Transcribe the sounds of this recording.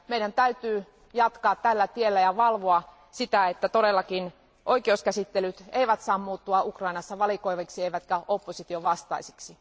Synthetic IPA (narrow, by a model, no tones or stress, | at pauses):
meidænt̪æyt̪yː | jɑt̪kɑːt̪t̪ælːæt̪ielːæjɑʋɑlʋoɑ | sit̪æet̪ːæt̪oɾelːɑkin | ʔoikeoskæsit̪ːelyt̪eiʋæt̪sɑːmmuːt̪ːuɑukrɑinɑsːɑʋɑlikoiʋeksieiʋæt̪kæopːosit̪ioʋɑst̪ɑisi̥ksi